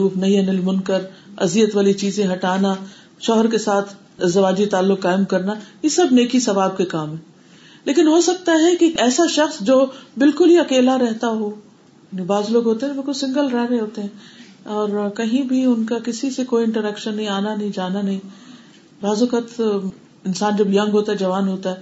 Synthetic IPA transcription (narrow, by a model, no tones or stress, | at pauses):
ɾuːfnɐɦĩɦɛnɪlmʊnkəɾɐzijət̪ʋaːlit͡ʃiːzẽɦɐʈaːna | ʃɔːɦəɾkesaːt̪ʰ | ɪzɐʋaːd͡ʒit̪aːlːʊkːaːɪmkɐɾnajesɐbneːkisɐʋaːb̚kekaːmɦɛ̃ː | leːkɪnɦosɐk̚t̪aɦɛkiɛːsaʃɐxsd͡ʒoːbɪlkʊlɦiɐkeːlaɾɛɦt̪aɦoː | jaːnibaːzloːɡɦoːt̪eɦɛ̃bɪlkʊlsɪ̃ŋɡəlɾɛːɾẽɦoːt̪eɦɛ̃ː | ɔːɾkɐɦĩbʱiʊnkakɪsisekoːiɪ̃ɳʈəɾɛːkʃənːɐɦĩaːnanɐɦĩd͡ʒaːnanɐɦĩː | ɾaːzokɐt̪ | ɪnsaːnd͡ʒɐbjɐ̃ŋɡɦoːt̪aɦɛd͡ʒɐʋaːnɦoːt̪aɦɛː